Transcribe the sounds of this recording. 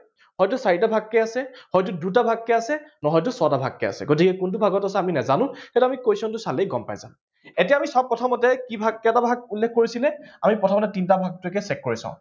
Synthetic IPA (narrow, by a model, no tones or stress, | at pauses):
hɔjtusaɹitabʱaɡːɛasɛhɔjt̬udut̬abʱaɡkɛasɛnɔɦɔjt̬ʊsɔtabʱakːɛ̰a̰sɛ̰ɡot̬ikɛkunt̬ubʱaɡɔtasɛaminɛzanʊ̃xɛtuamikojsɔntʊsalejɡɔmpa̰jza̰m | etijaamisɔb̚pːɔtʰɔmɔtɛkibʱaɡːɛɛtabʱaɡ̚ulːekʰkoɹisilɛamipɹɔtʰɔmɔtɛtintabʱaɡ̚tʊɛkɛsɛkːoɹisã̰ʊ̃